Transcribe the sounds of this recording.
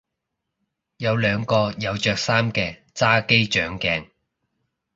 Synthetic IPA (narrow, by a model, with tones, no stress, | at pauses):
jɐ˨˧wlœː˨˧ŋkɔː˧jɐ˨˧wt͡ʃœː˨˧k̚saː˥mkɛː˧ | t͡saː˥ke˥jt͡ʃœː˨˥ŋkɛː˧ŋ